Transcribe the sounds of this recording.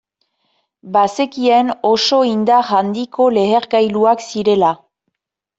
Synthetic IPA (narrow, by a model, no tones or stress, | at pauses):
base̞kieno̞so̞ind̪aɣand̪ikʰo̞le̞ɣeɾɡajluaksiɾe̞la